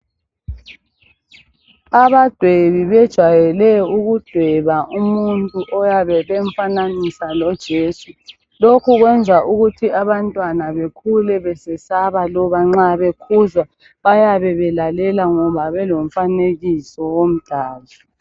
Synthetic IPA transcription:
aβad̥ʱweβiβɛd̥ʒ̥ʱwajɛlɛjuɣud̥ʱwɛβaʔumuntʼuʔɔjaβɛβɛɱfananisalɔd̥ʒ̥ʱeːsu | lokʰuɣwɛnd͡zʱaʔuɣutʰiaβantʼwanaβekʰulɛβɛsɛsaβalɔβaŋ͡ǁaβekʰuzwa | βajaβɛβɛlalɛlaŋɔβaβɛlom̩faneɣisɔwom̩d̥ʱaːla

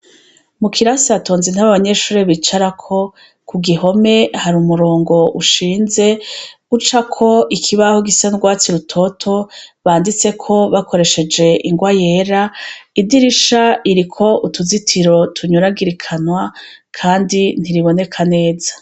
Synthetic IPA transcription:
mukʰiɾasiato̞ːnzinhaβaβaɲe̞ʃuːɾiβit͡ʃaɾakʰo̞ | kʰuɡiɦo̞me̞haɾumuɾo̞ːŋɡo̞ʔuʃiːnze̞ | ut͡ʃakʰo̞ikʰiβahoɡisanɡwaːt͡siɾutʰo̞tʰo̞βaːndit͡se̞kʰo̞βakʰo̞ɾe̞ʃe̞d͡ʒe̞ʔiŋɡwaje̞ːɾaidiɾiʃaiɾikʰo̞utʰuzitʰiɾo̞tʰuɲuɾaɡiɾikʰanwakʰaːndin̥iɾiβo̞ne̞kʰane̞ːzḁ

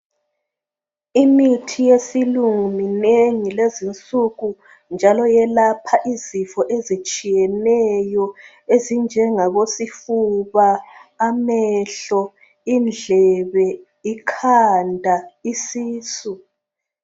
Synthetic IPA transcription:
imitʰijesiluŋumineŋilezint͡sʼuɣu | nd͡ʒʱalɔjɛlapʰaʔizifɔʔezit͡ʃʼijɛnɛjɔ | ezind͡ʒʱɛŋaβosifuβaːmɛɬɔ | ind͡ɮʱɛβɛ | ikʰandʱaisiːsu

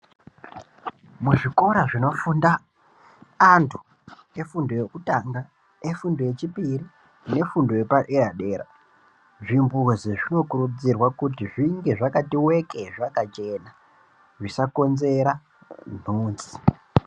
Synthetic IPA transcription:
muʐiko̞ɾaʐino̞fundaː | ntʰu̥ | e̞fundo̞jekutaŋɡa | efundo̞je̞t͡ʃipiri | ne̞fundo̞je̞paʔeɾaɗeːra̰ | ʐimbuziʐino̞kurud͡zirwakutiʐiŋɡe̞ʐakatiwe̞keʐakat͡ʃe̞na | ʐisako̞nze̞ɾa | n̤uːnzi

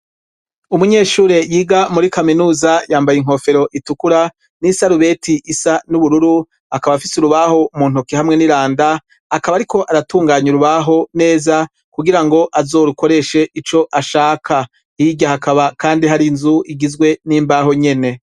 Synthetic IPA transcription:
umuɲe̞ːʃuːɾe̞jiːɡamuɾikaminuːzajaːmbajiŋɦo̞fe̞ɾo̞ʔitukuɾa | nisaɾuβe̞tʰiʔisanuβuɾuɾu | akaβafisuɾuβaho̞muːn̥hukihamŋe̞niɾaːndaː | kaβaɾiko̞ʔaɾatuːŋɡaːɲuɾuβaɦo̞ne̞ːza | kuɡiɾaŋɡo̞ʔazo̞ːɾuko̞ɾe̞ʃe̞ʔit͡ʃo̞ʔaʃaːkʰa | iɟahakaβakaːndiɦaɾinzuʔiɡizɡwe̞niːmbaɦo̞ɲe̞ne̞

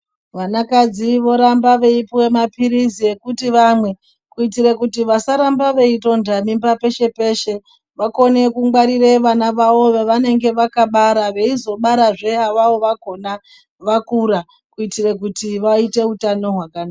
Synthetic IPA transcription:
ʋanakad͡ziʋo̞ɾambaʋe̞ipiwe̞mapiɾizie̞kutiʋamwe̞ | kuitirekutiʋasaɾambaʋe̞ito̞ndamimbape̞ʃe̞pe̞ʃe̞ | ʋako̞ne̞kuŋɡwaɾireʋanaʋao̞ʋeʋane̞ŋɡe̞ʋakaɓaɾaʋe̞izo̞ɓaɾaʐe̞aʋawo̞ʋaɡʱo̞na | ʋakuɾa | kuitirekutiʋaite̞utano̞ɦwakanaa

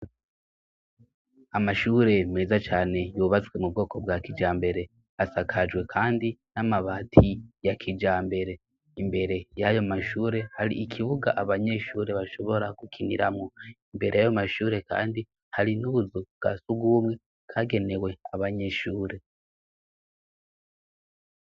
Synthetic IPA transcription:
amaʃuːɾe̞meːzat͡ʃaːne̞juːβat͡swe̞mub̚ɡo̞ːko̞bɡakid͡ʒaːmbe̞ɾe̞ | asakʰad͡ʒwe̞kʰaːndinamaβaːtʰijakʰid͡ʒaːmbe̞ɾe̞ | imbe̞ɾe̞jajo̞maʃuːɾe̞haɾḭikʰiβuɡa̰ʔaβaɲe̞ʃuːɾe̞βaʃo̞βo̞ɾakukʰinḭɾamoimbe̞ɾe̞jajomaʃuːɾe̞ka̰ːndi | haɾinuβuzubɡ̥a̰suɡuːmŋe̞ | kʰaːɡe̞ne̞we̞aβaɲe̞ʃuːɾe̞

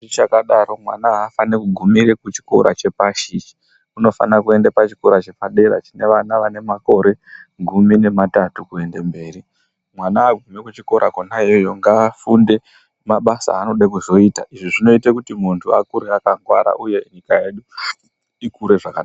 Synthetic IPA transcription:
it͡ʃakaɗaɾo̞mwa̰naɦafanekuɡʱumiɾekut͡ʃi̥ko̞̰ɾa̰t͡ʃe̞paʃit͡ʃi̥ | uno̞fa̰nakue̞ndapat͡ʃi̥ko̞ɾat͡ʃe̞paɗe̞ɾa̰t͡ʃine̞ʋanaʋane̞mako̞ɾe̞ɡʱumine̞matatukue̞ndembe̞ːri | mwanaːɡʱumekut͡ʃiko̞ɾʔakonajojo̞ŋɡafunde̞ | maɓasa̰ːno̞ɗak̬uzo̞iːtaʔiʐiʐino̞itakutimuntʰuakuɾeakaŋɡwaɾa̰ʔuje̞iɲikaje̞ɗu | ikuɾe̞ʐakaɗa

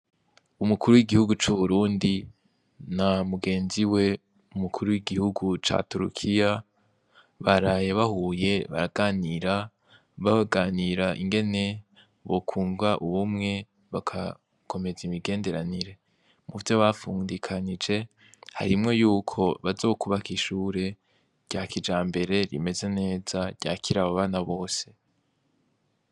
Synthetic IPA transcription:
umukʰuɾuwiɡihuɡut͡ʃuβuɾuːndi | namuɡe̞ːnziwe̞ | umukʰuɾuwiɡihuɡut͡ʃa̰tuɾṵkʰija | βaɾaːjeβahuːje̞βa̰ɾaɡ̥aːniɾa | βaβaɡaːniɾaʔiŋɡe̞ne̞ | βo̞kʰuːŋɡaʔuβumŋe̞ | βakʰa | kʰo̞me̞zimiɡe̞ːnde̞ɾaniɾe̞ | muvjo̞βafuːndikʰanid͡ʒe̞ | ha̰ɾimŋo̞juːkʰo̞βazo̞ːkuβakiʃuːɾe̞ | ɾ̥ɟ̥aːkʰid͡ʒaːmbe̞ɾe̞ɾḭme̞ze̞ne̞ːzaɟ̥a̰ːcʰiɾaβaβaːnaβo̞ːse̞̥

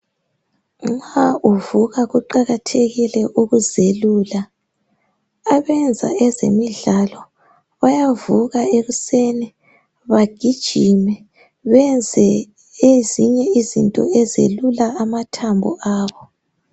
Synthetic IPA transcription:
ŋ͡ǁauvuɣaɣuǃaɣatʰeɣilɛʔuɣuzeluːla | aβɛnd͡zʱa̰ɛzḛmiɮalɔ | βajavuɣaeɣusɛnɛ | βaɡ̥ʱid̥ʒ̥ʱimɛ | βɛnd͡zʱɛ | eziɲɛizintʼɔ̰ɛzḛlulaamatʰambʱṵʔaːβɔ

